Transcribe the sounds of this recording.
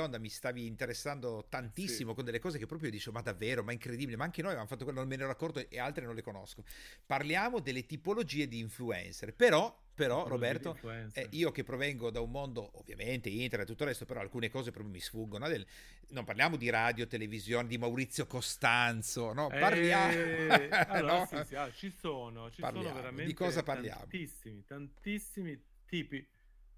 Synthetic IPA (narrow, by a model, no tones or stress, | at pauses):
ond̪amist̪aːviːnt̪eɾesːand̪ot̪ant̪isːimokond̪elːekɔːzekepːɾɔpɾjod̪iːt͡ʃemad̪avːeːɾomaɛiŋkɾed̪ibilemaaŋkenoːjavjamofat̪ːokwelonomiɛnɛeoakːɔrt̪oeʔealt̪ɾenõnlekonoskoparljaːmod̪elːet̪ipolod͡ʒiːed̪iːɱfluɛ̰nserpeɾɔ | peɾɔrobɛrt̪oɛiːokepːɾovɛŋɡod̪aummond̪oʔovːja̰ment̪eint̪eɾrnet̪ːut̪ːorːɛst̪opeɾɔa̰lkuːnekɔːzepɾɔːp̬jomisfuɡːonod̪el | nompaɾrlijaːmod̪iɾad̪jot̪elevizjoːned̪imawɾit̪sːjokost̪ant̪sonɔparlja | nɔt͡ʃisoːnot͡ʃipa̰rlja̰ːeɾaod̪ikɔːzaparlja̰ːmoisiit̪ant̪isːimi | t̪iːpi